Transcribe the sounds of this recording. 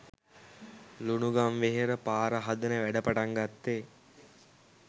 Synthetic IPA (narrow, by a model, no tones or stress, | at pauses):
lunuɡamʋeɦeɾəpaːɾəɦad̪ənəʋæɖəpaʈaŋɡat̪ːe